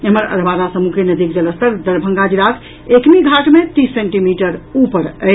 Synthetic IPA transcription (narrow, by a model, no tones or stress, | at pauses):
ɦəməɾə̰ɾbaɾasəmukenəd̪ik̚d͡ʒələst̪əɾd̪əɾbʱə̃ŋɡad͡ʒiɾak̪ʰ | ekmiɡʱaʈmet̪isːeɳʈimiʈəɾupəɾə